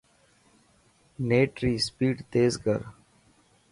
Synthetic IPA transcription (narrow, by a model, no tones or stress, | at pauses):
neːʈɾiːspiːɖt̪eːzɡə̰ɾ